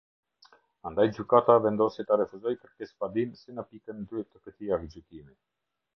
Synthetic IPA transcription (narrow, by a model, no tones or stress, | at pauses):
and̪ajd͡ʑykat̪avɛnd̪ɔsit̪aɾɛfuzɔjkəɾkɛspad̪insinəpikənd̪yt̪əkət̪iavəd͡ʑykimi